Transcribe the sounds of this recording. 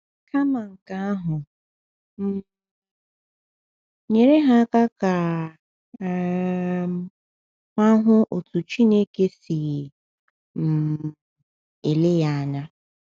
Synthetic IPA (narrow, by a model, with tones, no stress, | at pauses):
ka˦ma˨ŋ̩˨ka˦a˦ɦʊ˨ | m̩˦ | ɲe˨ɾe˦ɦa˦ka˦ka˨˦˨ | ka˦ɦʊ˦ʔo˨tu˨t͡ʃi˦ne˦ke˦si˨ | m̩˨ | e˨le˦ja˦˨a˨na˦